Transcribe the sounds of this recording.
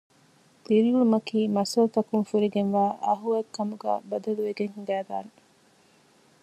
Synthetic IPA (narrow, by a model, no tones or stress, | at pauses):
liɾiulumɐkiːmɐsɐlut̪ɐkunfuɾiɡenʋæːʔɐɦuɐkːɐmuɡæ̰ːbɐd̪ɐluʋeɡeŋhuɡæːd̪a̰ːne